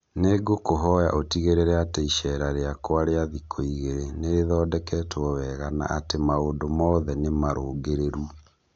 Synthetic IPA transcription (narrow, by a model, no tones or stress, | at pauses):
neɡokoɦɔja̰ʔotiɣeɾeɾɛateiʃɛɾaɾeakwaɾeaðikʰoiɣeɾeneɾeðɔːdɛkɛtwɔwɛɣana̰ʔatemaoːndomɔðɛnemaɾʔoːɡeɾeɾu